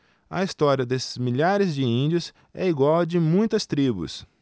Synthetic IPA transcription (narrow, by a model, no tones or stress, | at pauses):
ɐ̰ist̪ɔɾiɐd̪esɪ̥zmiʎaɾɪzd͡ʒɪĩnd͡ʒʊs | ɛ̰iɡwawd͡ʒɪmũj̃t̪ɐst̪ɾibʊ̰s